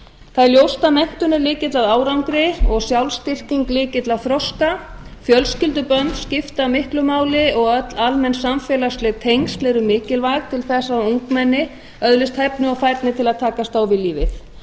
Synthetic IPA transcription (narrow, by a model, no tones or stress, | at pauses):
θaðljowst̪amɛn̥t̪ʏnɪlɪːcɪt̪laðaːwɾawŋkɾɪɔɣsjawlst̪ɪr̥ciŋklɪːcɪt̪laθɾɔska | fjœlscɪlt̪̬ʏpœnt̪scɪft̪amɪhklʏmaːwlɪɔɣœt̪lalmɛnsamfɛːlast̪lɪɣt̪ʰejŋst̪lɛɾʏmɪːcɪlvajɣt̪ʰɪlθɛsːaðuŋkmɛnːɪ | œðlɪst̪hɛpnʏawfajɾt̪nɪt̪ʰɪlaðt̪ʰaːkast̪aːwvɪliːvɪθ